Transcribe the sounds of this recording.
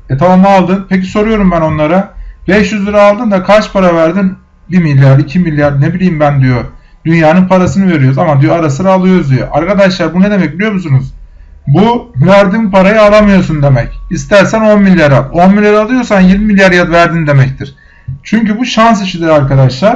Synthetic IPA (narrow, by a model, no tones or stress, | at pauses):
et̪ʰalˠamaːlˠd̪ɯnpʰeciso̞ɾujo̞ɾumbæno̞nlˠaɾabɛʃjyzlʲiɾaːlˠd̪ɯnd̪akʰaɾt͡ʃpʰaɾavæɾd̪in | bimilʲjaɾd̪icʰimilʲːjaɾnebilʲijːimbænd̪ijo̞ | d̪ynjaːnɯnpʰaɾasɯnɯve̞ɾijo̞ɾzamad̪ijoaɾasɯɾaːlˠɯjoɾzd̪ijo̰ʔaɾkʰad̪aʃlˠaɾbuned̪e̞mɛc̚bilʲijo̞musunuz̥ | buæɾd̪inpʰaɾajɯalˠamɯjo̞ɾsund̪e̞mɛcist̪ʰæɾsæno̞nmilʲːjaɾalo̞nmilʲjaɾalˠɯjo̞ɾsanjiɾmimilʲjaɾjad̪væɾd̪ind̪e̞mɛc̚t̪ʰiɾ̥ | t͡ʃʰyɲcybuʃans̬iʃid̪iɾaɾkad̪aʃlˠaɾ̥